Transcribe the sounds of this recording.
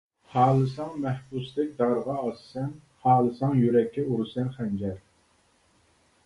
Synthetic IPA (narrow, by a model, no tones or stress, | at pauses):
hɑːlˠɨsɑŋmɛhbusd̪ɛk̚ʲd̪ɑɾʁɑːsːɛn | hɑːlˠɨsɑŋjyɾɛkʲʰːɛuɾusɛnχɛnd͡ʒɛɾ